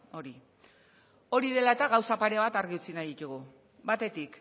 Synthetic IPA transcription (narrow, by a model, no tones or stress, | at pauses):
o̞ɾi | o̞ɾiðe̞lae̞t̪aɣawsapaɾe̞β̞at̪aɾɣiut͡sinajðit̪uɣu | bat̪e̞t̪ik